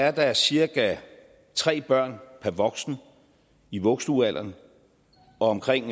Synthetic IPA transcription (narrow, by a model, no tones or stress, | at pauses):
æɐd̥ɑ̈æɐsiɐɡ̥æ | t͡sʰʁɛ̰ːb̥ɶɐ̰npʰæɐʋɒ̽ɡ̥sn̩ | iʋɔ̽ɡ̥sd̥uæl̰ʔɐn | ɒ̽ɒ̽mkʰʁeŋ̰